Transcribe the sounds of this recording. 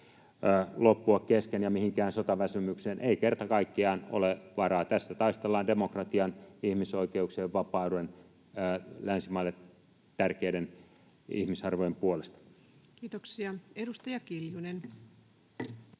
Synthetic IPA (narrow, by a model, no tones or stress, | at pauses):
lopːuɑkkeskenjɑmihiŋkæːnsot̪ɑʋæsymykseːnʔeikert̪ɑkɑikːiɑːno̰leʋɑrɑːt̪æsːæt̪ɑist̪elːɑːndemokrɑt̪iɑnihmisoikeukseːʋʋɑpɑːuenː | lænsimɑilːet | t̪ærkeiden | ḭhmisɑrʋojempuolest̪ɑ̥ | kiːt̪oksiɑedust̪ɑjɑkiljunen